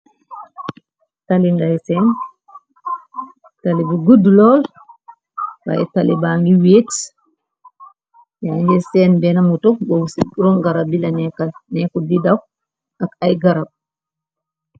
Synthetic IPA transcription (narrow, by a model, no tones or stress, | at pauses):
talinɡajsɛn | talibiɡudlɔl | ba̰jɛtalibaŋɡiwets | jaŋɡɛsɛnbɛnamutɔkbowsiɾɔŋɡaɾabilanɛkanɛkɔdidaw | akajɡaɾab̚